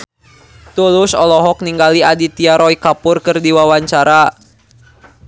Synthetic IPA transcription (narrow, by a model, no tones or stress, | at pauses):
t̪ulʊsɔlɔɦɔk̚niŋɡaliadit̪iaɾɔikapʊrkɨrdiwawaɲt͡ʃaɾa